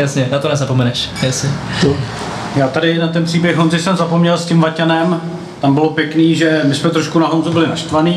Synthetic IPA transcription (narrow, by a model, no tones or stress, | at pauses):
jasɲɛnat̪onɛzapo̞mɛnɛʃjasɪo | jaːt̪adɪnat̪ɛnpr̥iːbjɛxɦonzɪsɛmzapo̞mɲɛlscɪmvacanɛm | t̪ambɪlo̞pjɛkniːʒɛmɪsmɛt̪ɾoʃkunaɦonzubɪlɪnaʃt̪vaniː